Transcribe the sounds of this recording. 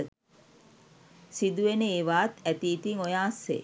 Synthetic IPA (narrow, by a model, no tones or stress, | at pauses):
sid̪uʋenəeːʋaːt̪æt̪iːt̪iŋojaːsːḛː